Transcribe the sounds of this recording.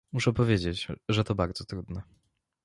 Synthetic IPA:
muʂɛpɔvʲjed͡ʑet͡ɕʐɛt̪ɔbaɾd̪zɔt̪ɾud̪nɛ

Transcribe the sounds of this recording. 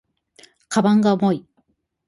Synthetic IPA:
kʰabãŋɡaomo̞i

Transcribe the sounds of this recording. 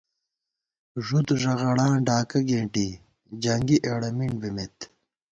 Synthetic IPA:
ʐud̪ʐɐɣɐɽãːɖaːkɐɡeːɳʈi | d͡ʑɐŋɡiʔeːɽɐmiɳbimet̪

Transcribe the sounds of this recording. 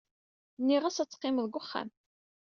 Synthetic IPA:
nːiʁæsæt͡sːqːɪməðɡʷʊχːæ̰m

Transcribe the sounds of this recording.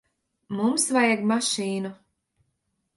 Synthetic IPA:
mumsvajaɡmaʃiːnu

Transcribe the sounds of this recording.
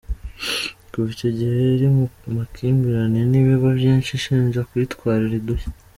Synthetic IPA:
kuβicoɟihe̞iɾimakʰiːmbiɾaniniβiβavjiːnʃiʃiːnʒakwitkwaːɾiɾiduhe̥

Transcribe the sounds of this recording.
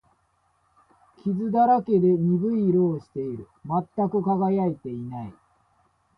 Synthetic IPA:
kʲizɨd̪aɾake̞d̪e̞ɲ̟ibɯ̟iɾoːɕi̥t̪e̞iɾɯ̟mat̪ːakɯ̟kaɡajait̪e̞inaḭ

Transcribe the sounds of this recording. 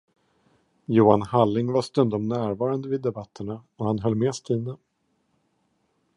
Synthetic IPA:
juːanhalːɪŋvast̪ɵnd̪ɔmnæːɾvɑːɾand̪əvɪd̪ːɛbat̪ʰːəɳa | ɔhanɦœlːmeːst̪ʰiːna

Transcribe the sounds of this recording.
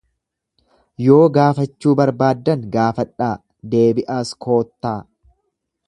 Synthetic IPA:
jo̞ːɡaːfɐt͡ʃːuːbɐɾbaːd̪ːɐŋɡaːfɐᶑaː | d̪e̞ːbɪʔaːskʰo̞ːt̪ːaː

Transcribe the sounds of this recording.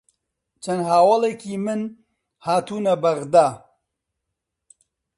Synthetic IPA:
t͡ʃʰɐnɦaːwɐlˠeːkiːmɨn | haːt̪uːnɐbɐɣd̪aː

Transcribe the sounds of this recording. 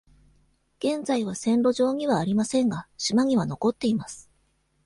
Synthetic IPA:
ɡ̥ẽ̞nd͡zaiβasẽ̞nɾo̞ʑo̞ːɲ̟iβaːɾʲimasẽ̞ŋɡaɕimaɲ̟iβ̞ano̞ko̞t̪ːe̞imasɨ̥

